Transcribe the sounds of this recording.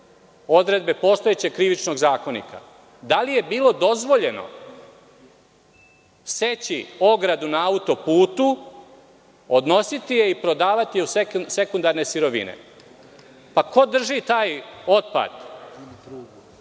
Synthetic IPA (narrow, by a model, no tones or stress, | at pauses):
o̞d̪ɾe̞d̪be̞po̞ːst̪ojet͡ɕe̞ɡ̚kɾiʋit͡ʃno̞ɡzaːko̞nḭka̰ | d̪alije̞biːlo̞d̪o̞zʋo̞ʎe̞no̞̰ | se̞t͡ɕio̞ɡɾad̪unaaut̪o̞puːt̪u | od̪no̞sit̪ije̞ipɾo̞d̪aːʋat̪ijeusese̞kund̪aɾne̞siɾo̞ʋḭnḛ | pako̞d̪r̩ʒit̪aːjo̞t̪̚pa̰d̪̥